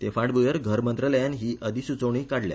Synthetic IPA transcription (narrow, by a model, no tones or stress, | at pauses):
t̪efaʈbujəɾɡʱəɾmənt̪ɾələjanɦiːəd̪ʱisut͡səʋɳ̃iːkaɽlja̰